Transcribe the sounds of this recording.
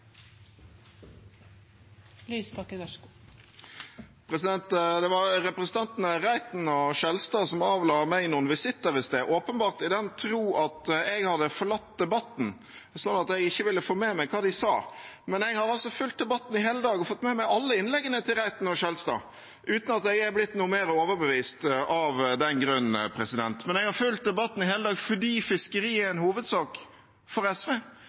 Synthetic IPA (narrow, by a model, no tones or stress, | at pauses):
lyːsɑk | pʰɾɛsɪd̪ɛnt̪d̪ɛʋɑʁɾɛpɾəsn̩t̪ɑnt̪nəɾæɪt̪n̩ɔʃɛlst̪ɑːsɔmɑːʋlɑːmæɪnʊnʋɪsɪt̪ːəɾəst̪eːʔoːpənbɑːʁt̪ɪd̪ɛnt̪ʰɾuːʔɑt̪ɛɡhɑd̪əfɔɭɑt̪̚d̪ɛbɑt̪n̩ | sɔnːɑt̪ɛɡɪçːəʋɪlːəfoːmeːmæɪkʰɑːd̪ɪsɑːmɛnɛɡhɑɾɑlsɔfʉlt̪̚d̪ɛbɑt̪ːn̩ɪɦeːləd̪ɑːɡɔfɔt̪ːmɛmæɪʔɑlːəɪnlɛɡənət̪ʰɪlʁæɪt̪nɔʃœlst̪ɑ̰ː | ʔʉːt̪n̩ɑt̪̚d̪ɛɡæblɪt̪ːnuːmeːɾoːʋəɾbəʋiːst̪ɑʋd̪ɛnɡɾʉn̩pʰɾɛsɪd̪ɛnt̪mɛnɛɡhɑɾfʉlt̪̚d̪ɛbɑt̪ːn̩ɪɦeːləd̪ɑːɡfɔɖiːfɪskəɾiːæɛnhuːʋəd̪sɑːk | fɔɾɛsʋeː